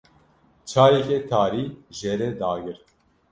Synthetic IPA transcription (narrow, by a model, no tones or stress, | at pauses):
t͡ʃʰaːɾɛkɛt̪ʰaːɾiːʒɛɾɛd̪aːɡɨɾt̪